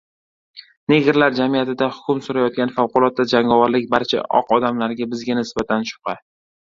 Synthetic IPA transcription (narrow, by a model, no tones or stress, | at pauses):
ne̞ɡʲɪɾlaɾd͡ʒamijat̪ʰɪd̪ahʊ̥kʰʲʊmsʊɾajɒt̪̚kʲanfawqʊlˠɒt̪̚ːad͡ʒaŋɒvaɾlɪk̚ʲbaɾt͡ʃʰa̰ʔɒ̰qɒd̪amlaɾɡʲabɪzɡʲanɪsbat̪ʰanʃʊ̥qɑ